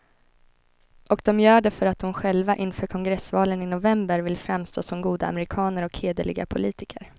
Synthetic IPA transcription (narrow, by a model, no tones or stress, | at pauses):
ʔɔk̚d̪ɔmjœːɖɛfœɾat̪̚d̪ʊmɧɛlvaʔɪnfœːɾkʰɔŋɡɾɛsvɑːlənɪnʊvɛmbəɾvɪlfɾamst̪ʰoːsɔmɡuːd̪a̰a̰mɛɾɪkʰɑːnəɾɔkheːd̪əɭɪ̰ɡa̰pʰʊliːt̪ɪkəɾ